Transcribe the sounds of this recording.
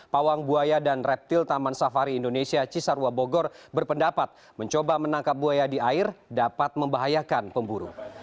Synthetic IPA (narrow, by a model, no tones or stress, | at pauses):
pawaŋbuajadanrɛp̚t̪ɪlt̪amansafaɾiːndonesiat͡ʃisaɾuaboɡɔrbərpəndapat̪̚ | məɲt͡ʃobamənaŋkap̚buajadiaɪrdapat̪̚məmbaɦajakanpəmbuɾṵ